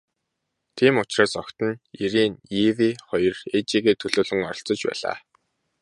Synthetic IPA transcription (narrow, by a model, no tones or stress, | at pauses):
t̪ʰiːmʊt͡ɕraːsɔkt̪ə̆niɾiːniwiːχɔjɞ̆ret͡ɕiːɣiːt̪ʰɵɮoːɮɘ̆ŋɔɾɞ̆ɬt͡sɞ̆t͡ɕpæ̰ːɮa̰ː